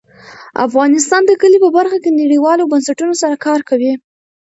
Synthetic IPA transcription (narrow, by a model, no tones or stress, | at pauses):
a̰fɣɑnɪst̪ɑnd̪əkəlipəbaɾxakenaɽiwɑlobansaʈunosaɾakɑɾkawi